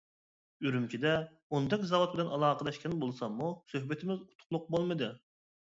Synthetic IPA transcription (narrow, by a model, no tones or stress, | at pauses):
yɾymkʲʰid̪ɛ | ond̪ɛkʲzɑwot̪̚bɪlɛnɑlˠɑːqəd̪ɑʃkʲʰɛnbolˠsɑmmːusøhbɪt̪ʰɪmɪzu̥t̪ʰʊ̥qlˠʊq̚bolˠmɨd̪ɨ